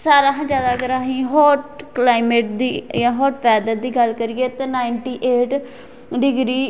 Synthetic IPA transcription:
saːɾaːɦãːd͡ʒjaːd̪aːkəɾaːɦĩːɦɔːʈklaːɪmeːʈ̚d̪iːjãːɦɔːʈpʰɛːd̪əɾd̪iːɡəlkəɾijeːt̪eːnaːɪɳʈiːʔeːʈ | ɖɪɡɾiː

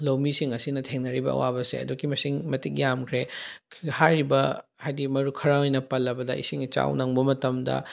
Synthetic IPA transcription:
lɐwmisiŋɐsinɐtʰeŋnɐɾibɐ̰ɐ̰wabɐsḛɐ̰dukimɐsiŋmɐtik̚jamkʰɾe | haɾibɐ | hajdimɐɾukʰɐɾaojnɐpɐlːɐbɐdɐḭsiŋt͡ʃa̰wnɐŋbɐmɐtɐmdɐ̰

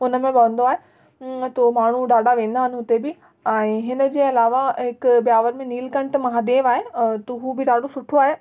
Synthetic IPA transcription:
ʊnəmẽbɐʋə̃nd̪oaːɦe | t̪omaːɳ̤uɖaːɖaʋẽːn̆d̪aːɦɪnɪ̆ɦʊt̪ebɪ | ɛ̃ːɦɪnə̆d͡ʑeːɐlaːʋaɦɪkbjaːʋəɾmẽniːlkɐ̃ɳʈmɐɦaːd̪eːʋaːɦet̪oɦuːbɪɗaːɖosʊʈʰoaːɦeː

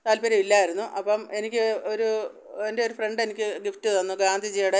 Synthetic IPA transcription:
t̪aːlpeɾɐmilːaːjiɾunːuʔɐpːɐme̞nikʲːɨoɾu | endeoɾufreɳɖe̞nikʲːɨɡiftɨðonːɨɡaːnd̪ʱid͡ʑijɐɽe

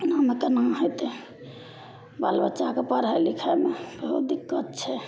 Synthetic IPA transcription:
namekənaɦot̪e | balbətːʃakepəɾɦalikʰamebəɦut̪̚d̪ikːət̪̚t͡ʃʰɛ

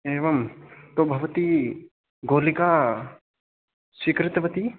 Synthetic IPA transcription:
eːʋɐmt̪obʱɐʋɐt̪i | ɡoːlikaː | sikɾɪt̪ʋɐt̪i

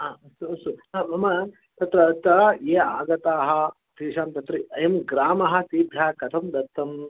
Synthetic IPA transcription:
aːɐst̪uɐst̪uaːmɐmɐ | t̪ɐt̪ɾɐt̪ɐjeːaːɡɐt̪aːɦɐ̆ | t̪iːʃaːmt̪ɐt̪ɾɐɐjɐmɡɾaːmɐɦɐ̆siːd̪ʱjaːkɐt̪ʰɐmd̪ɐt̪ːɐm

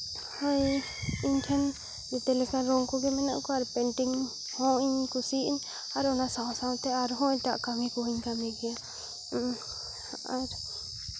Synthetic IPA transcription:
hɔj | iɲtʰɛn | d͡ʒɛt̪ɛlɛkaɾɔŋkɔɡɛmɛna̰ʔkɔaɾpɛɳʈiŋ | hɔ̃iɲkusiʔiɲ | aɾɔnasãsaw̃t̪ɛaɾɦɔ̃ɲtaʔkaŋikɔɦiɲkamɛɡɛja | aɾ

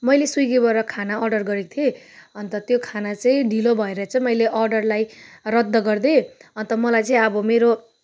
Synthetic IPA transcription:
mʌjlesujɡebʌɾʌkʰanaʌrɖʌrɡʌɾek̚t̪ʰieʌnt̪ʌt̪jokʰanat͡sʌĩɖʱilobʱʌeɾjat͡sʰʌmʌjleʔʌrɖʌrlajrʌd̪ːʌɡʌrd̪eʌnt̪ʌmʌlajt͡sʌĩʌbʌmeɾo

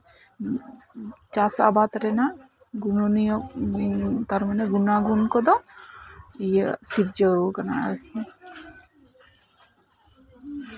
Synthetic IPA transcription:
t͡ʃasa̰bat̪ɾɛna | ɡunonint̪aɾmaneɡunaɡunkɔd̪ɔ | ijəsiɾd͡ʒəkanaɛ̰lti

